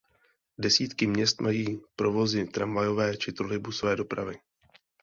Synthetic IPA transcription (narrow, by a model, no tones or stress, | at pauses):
dɛsiːt̪kɪmɲɛst̪majiːpɾo̞vo̞zɪt̪ɾamvajo̞vɛːt͡ʃɪt̪ɾolɪbusovɛːdo̞pɾa̰vɪ